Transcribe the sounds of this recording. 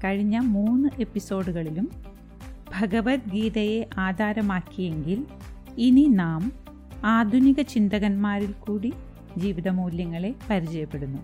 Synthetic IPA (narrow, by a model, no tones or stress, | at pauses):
kɐɻiɲːɐmuːnːɨʔe̞pːiso̞ːɽuɣɐɭilum | bʱɐɡɐʋɐt̪̚ɡiːðɐje̞ʔaːd̪ʱaːɾɐmaːkːije̞ŋɡil | ininaːm | aːd̪ʱuniɣɐt͡ɕind̪ɐɣɐnmaːɾilkuːɽi | d͡ʑiːʋiðɐmuːljɐŋːɐɭe̞pɐɾit͡ɕɐjɐpːe̞ɽunːu